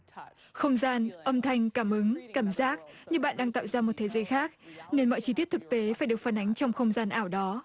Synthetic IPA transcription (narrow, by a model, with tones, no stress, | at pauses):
xə˧wŋ͡mzaː˧nʔə˧mt̪ʰa˧jŋ̟kaː˧˩mʔɨ˨˦ŋkaː˧˩mzaː˦˥k̚ɲɨ˧ɓa̰ː˧˨nɗaː˧ŋt̪a̰ː˧˨wzaː˧mo˨˩t̚t̪ʰe˨˦zəː˨˦jxaː˦˥k̚ne˧nmɔ̰˧˨jt͡ɕi˧t̪i˦˥t̪̚ʰɨ˨˩k̚t̪e˨˦faː˧˩jɗɨ˨˩ək̚fa˨˧˩nʔa˨˦jŋ̟t͡ɕɔ˧wŋ͡mxə˧wŋ͡mzaː˧nʔaː˧˩wɗɔ˨˦